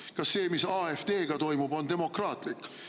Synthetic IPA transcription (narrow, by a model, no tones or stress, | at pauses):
kɑsːe̞ːmisɑːefd̪̥e̞ːɡ̥ɑt̪o̞jmubo̞nd̪e̞mo̞krɑːt̪ˑlikːˑ